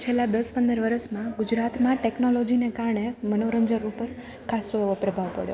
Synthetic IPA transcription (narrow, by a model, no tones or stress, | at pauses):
t͡ʃʰelːãd̪əspənd̪əɾʋəɾəsmãɡʊd͡ʒɾat̪mãʈeknolod͡ʒinekaɾɳemənoɾəɲd͡ʒəɾupəɾ | kʰasoeʋopɾəbʱaʋpə̰ɽjo̰